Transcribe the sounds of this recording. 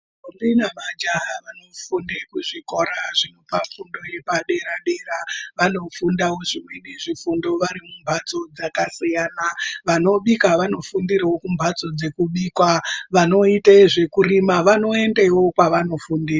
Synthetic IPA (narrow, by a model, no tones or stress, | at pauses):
ombinamad͡ʒaʋano̞fundekuʐiko̞ɾaʐino̞pafundo̞je̞paɗe̞ɾaɗe̞ɾaʋano̞fundawo̞ʐimweniʐifundo̞ʋaɾimumbʱat͡so̞d͡zakasijaːnaʋano̞ɓikaʋano̞fundirawo̞kumbʱat͡so̞d͡ze̞kuɓikwaʋano̞itaeʐe̞kurimaʋano̞e̞ndewo̞kwaʋano̞fundira